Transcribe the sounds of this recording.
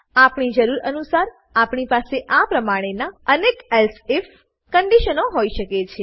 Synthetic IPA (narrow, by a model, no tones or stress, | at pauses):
apɳid͡ʒəɾuɾənusaɾ | apɳipaseʔapɾəmaɽ̃enaənekelsef | kəɳɖiʃənoɦoiʃəket͡ʃʰe